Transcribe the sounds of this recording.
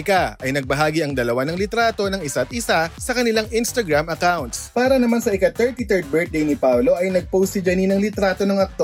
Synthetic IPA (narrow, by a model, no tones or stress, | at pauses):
ɪkaɐjnɐɡ̚bɐɦaːɡiʔɐŋd̪ɐlɐwanɐŋlɪt̪ɾaːt̪o̞nɐŋɪsaɐt̪̚ʔɪsasɐkɐnɪlaŋʔɪnst̪ɐɡɹamɐkawnt̪spaːɾɐnɐmansɐʔɪkat̪ɛɹt̪it̪ɛɹd̪̚bɛɹt̪̚ejnɪpawlo̞ʔɐjnɐɡ̚powst̪ɪd͡ʒɐninɐŋlɪt̪ɾaːt̪o̞nɐŋɐk̚t̪o